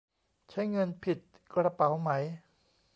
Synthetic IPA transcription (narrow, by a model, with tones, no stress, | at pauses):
t͡ɕʰa˦˥jŋɤ˧npʰi˨˩t̪̚ | kɾa˧pa˩˦wma˦˥j